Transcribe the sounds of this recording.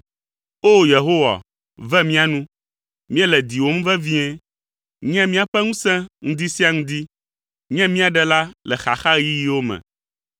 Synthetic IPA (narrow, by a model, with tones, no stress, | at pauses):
o˦je˨ɦo˦wa̰˨ | vɛ˦mĩ˦a˨nũ˦ | mĩ˦ɛ˦lɛ˨d̪i˨wo˦m˦vɛ˦vĩ˦ɛ̃˦ | ɲɛ̃˦mĩ˦a˨ɸɛ˦ŋũ˦sɛ̃˦ŋũ˦d̪i˦si˦a˦ŋũ˦d̪i˦ | ɲɛ̃˦mĩ˦a˨ɖɛ˨la˦lɛ˨xa˨xa˦ji˦ji˦wo˦mɛ̰̃˨